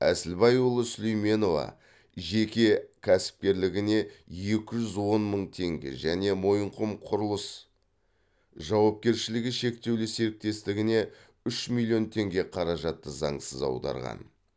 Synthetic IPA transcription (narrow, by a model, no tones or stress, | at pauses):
æ̰sɪlbɑjʊlˠəsʏlʲejme̞no̞vɑ̰ | ʒe̞kʲe̞kʲʰæsɪ̥p̚kʲe̞ɾlɪɡʲɪne̞je̞kʲɪʒʏzwo̞nməɴt̪ʰe̞ŋɡʲḛʒæne̞mo̞jəɴqʰʊmqʰʊɾəlˠəs | ʒɑwɑp̚kʲe̞ɾʃɪlɪɡʲɪʃe̞kt̪e̞wlɪseɾɪk̚t̪e̞st̪ɪɡʲɪne̞ | ʏʃmilʲˠːio̞nt̪ʰe̞ŋɡʲe̞qʰɑɾɑʒɑt̪ːəzɑ̰ɴsəzɑ̰wd̪ɑ̰ɾʁɑ̰n